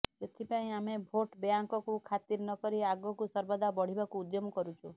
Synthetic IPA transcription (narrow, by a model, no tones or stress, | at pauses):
d͡ʒet̪ʰipaĩamebʱoʈbeaŋkɔkukʰat̪iɾnɔkɔɾiaɡɔkusɔɾbɔd̪ʱabɔɽ̤ibakuːd̪jomɔkɔɾut͡ʃʰu